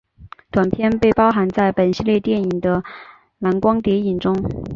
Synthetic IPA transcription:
t̪wa˨˩npʰjɛ˥˧npe˥˩ɪpɑ˥ʊxa˧˥nt͡sa˥˩ɪpə˨˩nɕi˥˧ljɛ˥˧t̪jɛ˥˩ni˨˩ŋd̪ə˦ | na˧˥nkwɑ˥ŋt̪jɛ˧˥i˨˩nʈ͡ʂʊ˥ŋ

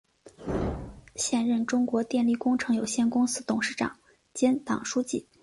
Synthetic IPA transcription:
ɕjɛ˥˧nɻə˥˩nʈ͡ʂʊ˥ŋkwɔ˧˥t̪jɛ˥˧nli˥˩kʊ˥ŋʈ͡ʂʰɤ˧˥ŋjo˨˩ʊɕjɛ˥˩nkʊ˥ŋsɹ̩˥t̪ʊ˨˩ŋʂɻ̩˥˩ʈ͡ʂɑ̰˨˩˦ŋ | t͡ɕjɛ˥nt̪ɑ̰˨˩ŋʂu˥t͡ɕi˥˩

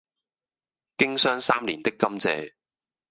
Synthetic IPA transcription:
kɪ˥ŋsœː˥ŋsaː˥mliː˨˩nt̪ɪ˥kːɐ˥mt͡sɛ̰ː˧

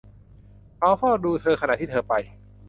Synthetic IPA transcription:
kʰa˨˦˥wfʰɔː˥˩duː˧t̪ʰɤː˧kʰa˧na˨t̪ʰːiː˥˩˧pa˧j

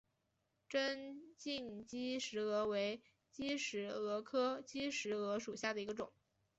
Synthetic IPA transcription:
ʈ͡ʂə˥nt͡ɕi˥˩ŋt͡ɕi˥ʂɻ̩˧˥ɤ˧˥we˧˥ɪ | t͡ɕi˥ʂɻ̩˧˥ɤ˧˥kʰɤ˥t͡ɕi˥ʂɻ̩˧˥ɤ˧˥ʂu˨˩ɕja˥˩d̪ə˩i˧˥ɡə˧ʈ͡ʂʊ˨˩˦ŋ

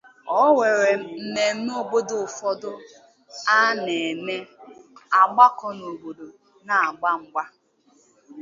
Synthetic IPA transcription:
ɔ˦we˨ɾe˨m̩˦m̩˦ne˨m̩˦me˦o˨bo˦dʊ˨fɔ˦dʊ˦ | a˦ne˨me˦ | a˨ɡ͡ba˦kɔ˨no˨bo˨do˨ | na˨a˨ɡ͡ba˦ŋ͡m̩˦ɡ͡ba˦

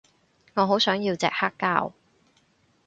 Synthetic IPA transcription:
ŋɔː˨˧ɦo˨˥wsœː˨˥ŋji˧wt͡sɛ̰ː˨k̚haː˥kːaː˥w

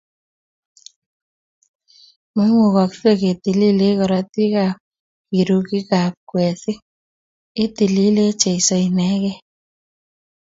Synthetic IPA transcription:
mɔ˦ŋu˨kɔ˨kse˦ke˨ti˨li˦le˦kɔ˨ɾa˨ti˦ka˨p̚ | ki˨ɾu˧ki˦ka˨p̚kwɛ˨si˦ | e˦ti˨li˦le˦t͡ʃe˨i˨sɔ˨inɛ˦kɛ˦

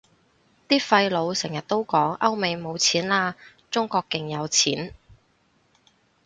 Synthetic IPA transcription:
t̪iː˥fɐ˧jlo˨˧wsɛ˨˩ŋjɐ˨t̚t̪o˥wkɔː˨˥ŋʔɐ˥wme˨˧jmo˨˧wt͡sʰiː˨˥nlaː˧ | t͡sʊ˥ŋkɔː˧kːɪ˧ŋjɐ˨˧wt͡sʰiː˨˥n

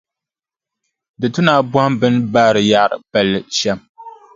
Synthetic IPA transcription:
dɨ˨tʊ˦naː˦bɔ˦hmbɨ˦nbaː˦˨ɾɨ˨ja˦ʔɾɨ̰˨pɛ˨lːɨ˨ʃɛ˦m

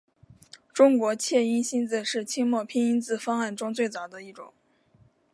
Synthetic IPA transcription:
ʈ͡ʂʊ˥ŋkwɔ˧˥t͡ɕʰjɛ˥˩i˥nɕi˥nt͡sɹ̩˥˧ʂɻ̩˥˩t͡ɕʰi˥ŋmwɔ˥˩pʰi˥ŋi˥nt͡sɹ̩˥˧fɑ˥ŋa˥˩nʈ͡ʂʊ˥ŋt͡swe˥˩ɪt͡sɑ˨˩d̪ə˦i˥˩ʈ͡ʂʊ̰˨˩˦ŋ

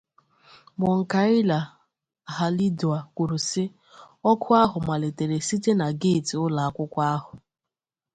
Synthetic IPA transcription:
mɔ˨ŋ̩˨ka˨ɪ˦la˨ | ɦa˨li˦du˨a˨kʷu˨ɾu˨sɪ˦ | ɔ˦kʰʊ˦a˦ɦʊ˨ma˨le˨te˨ɾe˨si˦te˦na˨ɡe˦˨ti˨ʊ˦la˨a˨kʷʊ˦kʷa˦ɦʊ˨

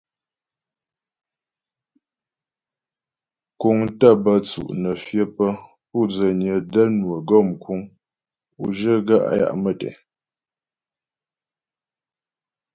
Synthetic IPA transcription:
ku˨ŋtə˦˨bə˦t͡sṵ˨ʔnə˨fjə˦pə˦ | pu˦˨d͡zə˨nə˨də˦nwə˨ɡɔ˦˨mkwu˦ŋ | ṵ˨ʒə˦ɡa̰˦˨ʔja̰˦ʔmə˨tɛ̰˨

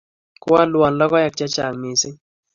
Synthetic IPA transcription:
kʊ˦a˦lwa˨nlɔ˦kɔ˦ja˨k̚t͡ʃa˦t͡ʃa˨lmɪ˨sɪ˦

